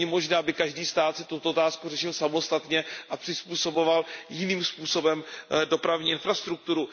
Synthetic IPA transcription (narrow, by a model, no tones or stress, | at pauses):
ɛmo̞ʒnɛːbɪkaʒdiːst̪aːt̪sɪt̪ut̪oot̪aːskurɛʃɪlsamo̞st̪at̪ɲɛʔapr̝̥ɪspuːso̞bo̞valjɪniːmspuːso̞bɛmdo̞pɾavɲiːʔɪnfɾast̪ɾuk̚t̪uɾu